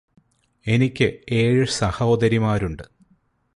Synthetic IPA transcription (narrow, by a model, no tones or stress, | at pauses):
e̞nikʲːɨeːɻɨsɐhɐod̪ɐɾimaːɾuɳɖɨ